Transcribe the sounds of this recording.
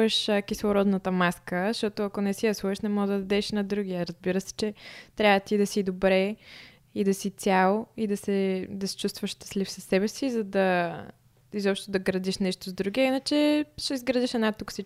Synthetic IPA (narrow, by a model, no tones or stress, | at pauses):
ɛʃkislˠoɾɔd̪nət̪əmaskəʃt̪ɔt̪oɐkonɛsijɐsuɛʃnɛmɔd̪ɐd̪ɐd̪ɛʃnɐd̪ɾuɡiəɾɐzbiɾəsɛ̥t͡ʃɛt̪ɾʲavət̪id̪ɐsid̪obɾɛ | id̪ɐsit̪t͡s̪sʲjalˠid̪ɐsɛd̪ɐsɛ̥t͡ʃust̪vəʃʃt̪ə̥slifsɐsːɛbɛsizɐd̪ɐ | izɔpʃt̪oʊd̪ɐɡɾɐd̪iʃnɛʃt̪ozd̪ɾuɡiɐinət͡ʃɛʃɛizɡɾɐd̪iʃɛd̪nat̪ːuksi